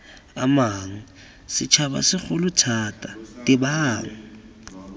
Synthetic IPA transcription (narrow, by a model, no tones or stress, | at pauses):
a̰maŋ̩ | sɪt͡ʃʰaɓa̰sɪxʊlutʰatʼatʼibaːŋ̩